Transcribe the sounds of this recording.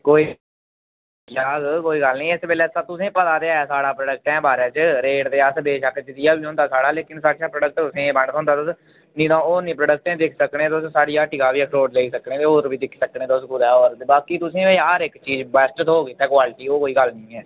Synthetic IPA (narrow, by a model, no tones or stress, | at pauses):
koːiː | kjaːɡkoːiːɡəlnĩːɛsbeːlɛːst̪ʊsẽːpət̪aːd̪eːaːjaːsaːɽaːpɾəɖək̚ʈɛ̃ːbaːɾãːt͡ʃəɾeːɽd̪eːəsbeːʃakt͡ʃɪt̪ɪjaːbiːɦõːnd̪aːsaːɽaːleːkɪnsaːɽʃaːpɾəɖək̚ʈt̪ʊsẽːbəɳõːnd̪aːt̪ʊs | nĩːt̪ãːoːnĩːpɾəːɖək̚ʈẽːd̪ɪkʰsəkneːt̪ʊssaːɽiːaːʈikaːbiːəkʰɾoːɖleːsəknẽːt̪eːoːɾbiːd̪ɪkʰsəkneːt̪ʊsɡʊd̪aːoːɾbaːkiːt̪ʊsẽːeaːɾɪkt͡ʃiːzbɛːsʈt̪oːkiːt̪ɛːkwaːlʈiːoːkoːiːɡəlnĩːɛː